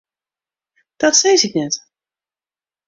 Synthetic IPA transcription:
d̥ɔtsejsɪknɛt

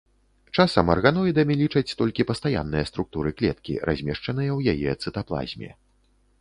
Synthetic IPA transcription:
t͡ʂasɐmɐrɣanɔjd̪ɐmʲilʲit͡ʂɐt͡sʲt̪ɔlʲkʲipɐst̪aja̰nːɨjɛst̪ɾuk̚t̪uɾɨklʲɛ̰t̪kʲḭɾʔa̰zʲmʲɛʂt͡ʂɐn̪ɨjɐwjajɛt̪sɨt̪aplˠa̰zʲmʲɛ̰

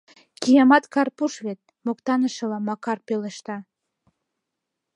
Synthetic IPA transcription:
kijɑmɑt̪kɑrpuʃβet̪̚ | mokt̪ɑnəʃɤ̆lɑmɑkɑrpeleʃt̪ɑ

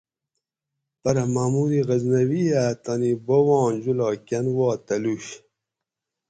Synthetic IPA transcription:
pɐɾɐmaːmuɾiɣɐznɐwijaːt̪anibowɑ̃ːnd͡ʑulɑːkanwɑːt̪ɐluɕ

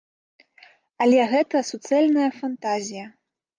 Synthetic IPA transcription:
ɐlʲɛɣɛt̪ɐsut̪sɨɛlʲnɐjɐfant̪azʲijɐ

